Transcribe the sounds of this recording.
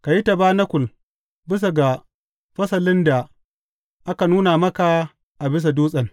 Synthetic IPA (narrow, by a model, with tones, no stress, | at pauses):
ka˨ji˦ta˨baː˦nɐ˦kʷʊ˨l | bɪ˦s̬a˨ɡa˨ | ɸɐ˦sɐ˨lɪ˦nda˨ | ʔa˦ka˨nuː˦na˨mɐ˦ka˨ | ʔa˨bɪ˦s̬a˨duː˦sʼɐ˨n